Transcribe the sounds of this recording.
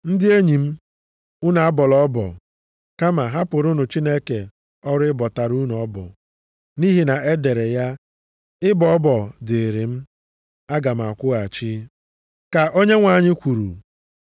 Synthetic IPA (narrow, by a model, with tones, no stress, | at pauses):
n̩˦dɪ˦e˦ɲi˨m̩˦ | u˦na˨a˦bɔ˨lɔ˦bɔ̰˨ | ka˦ma˨ɦa˦pʊ˨ɾʊ˦nʊ˨t͡ʃi˦ne˦ke˨ | ɔ˦ɾɪ˦bɔ˨ta˨ɾu˦n˨ɔ˦bɔ̰˨ | ni˦ɦi˨na˨e˦de˨ɾe˨ja˦ | ɪ˦bɔ˨ɔ˦bɔ˨dɪ˨ɾi˨m̩˦ | a˦ɡa˨m̩˨a˨kʷʊ˦a˨t͡ʃi˦ | ka˨ʔo˦ɲe˦ŋʷa˨ɲɪ˦kʷu˨ɾṵ˨